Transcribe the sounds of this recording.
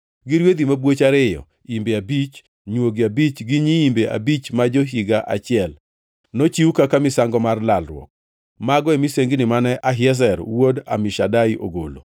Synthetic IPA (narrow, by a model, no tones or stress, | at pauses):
ɡɪɾwed̪imabwot͡ʃaɾɪjɔ̰ | imbeabit͡ʃ | ɲwoɡiabit͡ʃɡɪɲiimbeʔa̰bit͡ʃmad͡ʒoɦiɡaʔa̰t͡ʃɪɛl | not͡ʃiwukakamɪsaŋɡɔmarlalɾwɔ̰k̚ | maɡɔɛmiseŋɡɪnɪmanɛʔaɦɪɛs̬ɛɾwoda̰mɪʃadaiʔo̰ɡo̰lo̰